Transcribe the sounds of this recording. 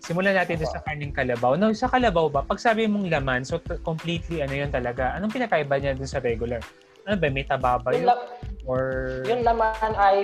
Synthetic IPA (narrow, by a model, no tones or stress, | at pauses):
sɪmʊlanaːt̪ɪnd̪ʊnsɐkɐnɐŋkɐlɐbawnawsɐkɐlɐbawbɐpɐɡ̚saːbɪmoŋlɐmansokompliːt̪liɐnojo̞nt̪ɐlɐɡaʔɐnoŋpɪnɐkaʔɪbaɲad̪ʊnsɐɾɛɡʊlɐɾ | ʔɐnobɐjmɐjt̪ɐbaːbɐjʔoɹjʊŋlɐmanɐj